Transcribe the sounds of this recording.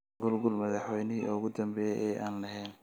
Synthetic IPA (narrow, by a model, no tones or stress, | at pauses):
ɡʊlɡʊlmɐðɑħwɛjnɪɦiʔʊɣʊd̪ɐmbɛːjɛ̰jʔɛːʔaːnlɐɦɛjn